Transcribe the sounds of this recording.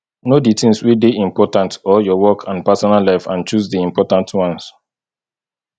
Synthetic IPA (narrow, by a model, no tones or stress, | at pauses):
noditĩŋswideʔĩmpɔtãntɔjɔwɔkʰãnpasɔnalaɪfãnt͡ʃuzdiĩmpɔtãntwãns